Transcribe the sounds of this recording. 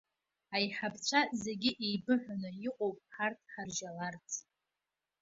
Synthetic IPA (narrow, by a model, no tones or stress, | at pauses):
ajħapt͡ɕʷʰazeɡʲɪʔejbɨħʷᶣanɨiqʼowpʼħartʰʼħarʒalart͡sʰʼ